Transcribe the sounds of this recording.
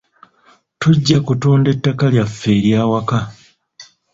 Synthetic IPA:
tuɟːakutuːnde̞tːakaljafːe̞ːɾjaːwaka

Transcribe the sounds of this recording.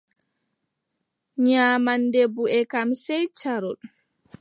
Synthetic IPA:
ɲaːmandebuɛkamsɛjt͡ʃaɾɔɗ

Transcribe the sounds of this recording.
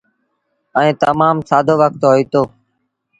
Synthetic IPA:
ə̃ẽːt̪əmaːmsaːd̪ʱoːʋək̚t̪ɦoːiːt̪oː

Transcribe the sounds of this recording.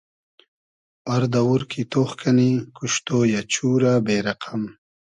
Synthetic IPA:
ɐɾd̪awuɾkʰit̪oːxkʰɐnikuʃt̪oːjat͡ɕuːɾabeːɾɐqʰɐm

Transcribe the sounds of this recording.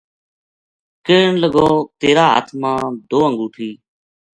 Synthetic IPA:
keːɳləɡoːt̪eːɾaːɦə̰t̪ʰmãːd̪oːəŋɡuːt̪ʰiː

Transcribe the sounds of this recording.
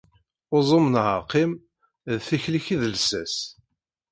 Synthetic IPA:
ozˤomnʕəqːim | ðθiçliçiðəlsæs

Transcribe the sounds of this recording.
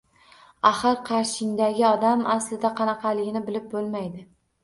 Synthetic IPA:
aχɨɾqʰɑɾʃɪŋd̪aɡʲɪɒd̪amʔaslɪd̪aqʰɑnɑqʰɑlɪɡʲɪnɪbɪlɪp̚bolˠmajd̪ɪ

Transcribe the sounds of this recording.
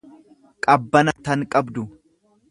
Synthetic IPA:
kʼɐbːɐnɐt̪ɐŋkʼɐbd̪ʊ

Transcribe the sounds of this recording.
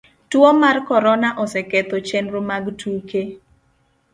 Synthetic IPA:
twɔmarkɔɾɔnaʔɔsɛkɛt̪ɔt͡ʃɛnɾomaɡtuke

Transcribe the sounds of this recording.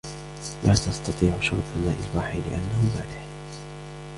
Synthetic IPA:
lʔaːt̪ɑst̪ɑt̪ˤiːʕʊʃʊɾt̪ˤɑmaːʔɪlwaːħilɪ̰ʔanːahʊbaːd̪ɪħ

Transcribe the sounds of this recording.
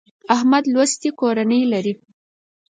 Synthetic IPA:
ahmad̪lwast̪ikoɾanəjlaɾi

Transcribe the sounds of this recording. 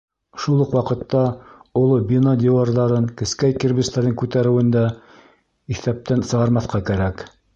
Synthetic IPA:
ʃulˠɤqwɑqɤ̆t̪ːɑolˠɤbʲinad̪ʲɪwarðɑɾɤŋkɘ̆skæjkĭɾbɘst̪æɾɘŋkʉt̪æɾɘ̆wɘ̆nd̪æ | iθæp̚t̪ænsɤ̆ʁɑɾmɑθqɑkæɾæk

